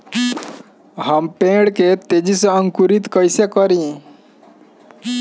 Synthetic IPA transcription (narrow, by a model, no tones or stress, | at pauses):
ɦampẽɽket̪ed͡ʑisəəŋkuɾit̪kəjsekəɾĩ